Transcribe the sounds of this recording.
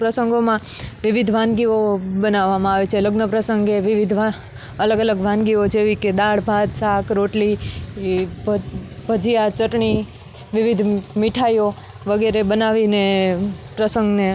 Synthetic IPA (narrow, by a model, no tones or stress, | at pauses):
pɾəsəŋɡomãʋɪʋid̪ʱʋãnɡiobənaʋːamãaʋet͡ʃʰeləɡnəpɾəsəŋɡeʋɪʋid̪ʱʋa | ələɡələɡʋãnɡiod͡ʒeʋiked̪aɽbʱad̪sakɾoʈli | bʱəd͡ʒijat͡ʃəʈɳi | ʋɪʋid̪ʱmiʈʰajo | ʋəɡɛɾebənaʋinepɾəsəŋɡne